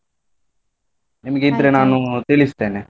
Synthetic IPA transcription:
nimɐɡeid̪ɐɾenaːnut̪ilist̪eːne

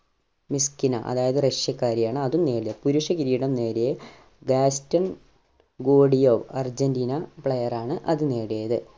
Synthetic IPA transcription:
miskinɐ̰ʔɐ̰ðaːjɐðɨreʂjɐkːaːɾijaːɳɨɐðumne̞ːɽijɐpuɾuʂɐkiɾiːɽɐmne̞ːɾeje | ɡaːstɐn | ɡoːɽijoːʋɐrd͡ʑɐndiːnɐpɭejɐraːɳɨʔɐðɨne̞ːɽijɐðɨ

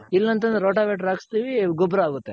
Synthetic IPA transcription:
ilːɐnt̪̬ɐnd̪ɾɐɾoːʈaːʋeːʈɾaːɡst̪iʋiɡɔbɾɐaːɡut̪ːe

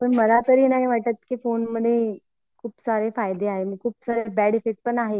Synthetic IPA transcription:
pəɳməlat̪əɾinaɦiʋaʈət̪̚kiːfonməd̪ʱje | kʰuːpsaɾefajd̪eaɦemĩkʰuːpsaɾebɛɽifiʈ̚pəɳaɦe

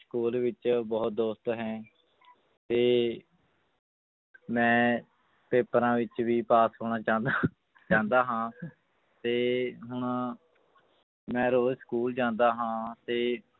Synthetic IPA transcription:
skuːlʋɪt͡ʃbɔːt̪̚d̪oːst̪ɦɛ̃ː | t̪eː | mɛ̃ː | peːpɾãːʋɪt͡ʃʋiːpaːsɦoːɳaːt͡ʃãːnd̪aː | t͡ʃãːnd̪aːɦãː | t̪eːɦʊɳ | mɛ̃ːɾoːlskuːld͡ʒãːnd̪aːɦãːt̪eː

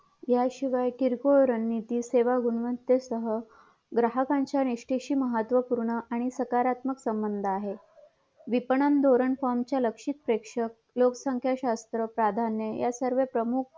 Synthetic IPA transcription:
jaɕiʋajʈiɾkoɾənːit̪iːseʋaɡuɳʋənt̪esəɦə | ɡɾaɦəkãɲt͡ɕjaniʂʈeɕiːməɦət̪ʋəpuɾɳəʔaɽ̃isəkaɾat̪məksəmbənd̪ʱaɦe | ʋipəɳənd̪ʱoɾəɳfɔɾmt͡ɕjaləkʂit̪̚pɾekʂək̚loksəŋkʰjaɕast̪ɾəpɾad̪ʱanːjəjasəɾʋepɾəmuk̚ʰ

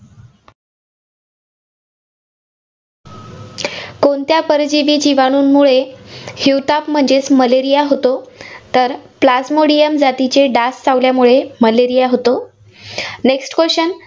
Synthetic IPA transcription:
kont̪japəɾd͡ʑiʋiːd͡ʑiʋaɽ̃uːnmuɭehiwt̪apm̤əɳd͡ʑesməleɾijaɦot̪ot̪əɾplasmoɽijəmd͡zat̪it͡ɕeɖast͡saʋljamuɭeməleɾijaɦot̪o | neksʈkəɕən

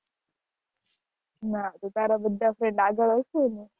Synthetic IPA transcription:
nat̪ut̪aɾabəd̪ʱːafɾeɳɖaɡəɭəsuni

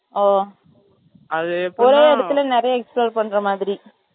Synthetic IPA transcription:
oː | ɐðɯɔɾeːɛɽɐt̪ːɯlnɪɾɐjɐɛksploːɾpɐɳːɾɐmaːðɪɾi

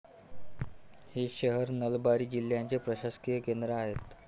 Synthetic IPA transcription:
hiːɕəɦəɾnəlbaɾiːd͡ʑil̤ːjant͡sepɾəɕaskijəkend̪ɾəaɦet̪

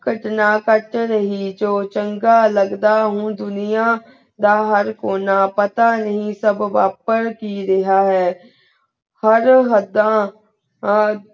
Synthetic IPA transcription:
ɡəʈnakəʈɾəɦid͡ʒoːt͡ʃə̃ŋɡaləɡd̪aɦũd̪ʊnɪja | d̪aɦəɾkoːnapət̪anəɦĩsəbʋaːpəɾkiɾɪɦaɦɛː | həɾɦəd̪ã

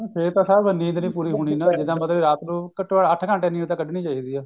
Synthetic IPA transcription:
pʰɪɾt̪ãːsaːbənːĩːnd̪ənĩːpuːɾiːɦoːɽ̃iːnãːd͡ʒɪd̪ãːmət̪ləbiɾaːt̪ɾuːkəʈːaːɽəʈʰkə̃ɳʈẽːnĩːt̪ãːkəɖeːnĩːt͡ʃaːiːd̪iːaː

